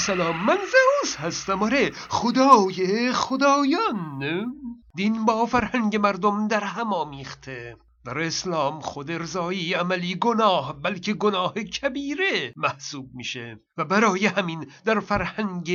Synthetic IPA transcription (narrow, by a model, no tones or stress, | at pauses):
sælɒːmːænzeuːshæst̪æmɒːɾeχod̪ɒːjeχod̪ɒːjɒn | d̪inbɒːfæɾhæŋɟe̞mæɾd̪omd̪æɾɦæmɒːmiːχt̪ʰe | b̥æɾeslɒːmχod̪eɾzɒːiːæmæliːɡonɒːhbælkʰeɡonɒːhecʲʰæbiːɾemæhsuːb̚miːʃe | væbæɾɒːjehæmind̪æɾfæɾhæŋɡe